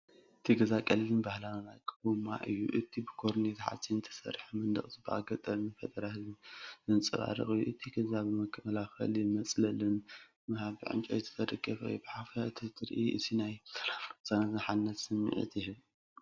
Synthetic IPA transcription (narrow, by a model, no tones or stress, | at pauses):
ʔʔɨt̪ʰiɡɐzakʼɐlilɨnbahlanlakʰʼːɨbmːa̰ʔɨjːṵʔɨt̪ʰibɨkʰoɾnet̪ʰħa̰sint̪ʰɐ̥sɐ̰ɾħmɨnd̪ɐ̰χʼt̪ɨbɨʔa̰ɡɐt̪ʼɐlnɨfɐd̪ʼɐɾahɨzɨnzɨnt͡sʼɨβa̰ɾɨ̰χʼɨjːuʔɨt̪ʰiɡɐzaβɨmɐkʰːɐlaxɐ̰lmɐt͡sʼlɐlɨn | mɐhaβiʕɨ̰nt͡ʃʼo̰jt̪ʰɨ̥t̪ʰɐd̪ɐɡɐfɐ̰jbɨħafɐɨt̪ʰit̪ʰʼɨɾʔiʔɨ̰t̪ʰinajsɐlafsanazħanːɐt̪sɨmːḭʕḭt̪jɪɦɨβ